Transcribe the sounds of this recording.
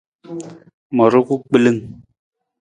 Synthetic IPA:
mɔ˨ɾo˦ku˦k͡pi˦lɨ˦ŋ

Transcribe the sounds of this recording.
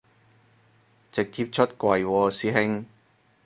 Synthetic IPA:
t͡sɪ˨k̚t̪ʰi˧p̚t͡ʃʰɵ˥t̚kʷɐ˨jwɔː˧siː˧ɦɪ˥ŋ

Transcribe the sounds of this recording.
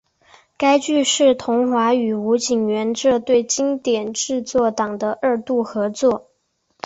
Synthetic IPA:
ka˥ɪt͡ɕy˥˧ʂɻ̩˥˩t̪ʰʊ˧˥ŋxwa˧˥y˨˩u˧˥t͡ɕi˨˩ŋɥɛ˧˥nʈ͡ʂɤ˥˧t̪we˥˩ɪt͡ɕi˥ŋt̪jɛ˨˩nʈ͡ʂɻ̩˥˧t͡swɔ˥˩t̪ɑ˨˩ŋd̪ə˦ʔə˞˥˧t̪u˥˩xɤ˧˥t͡swɔ˥˩

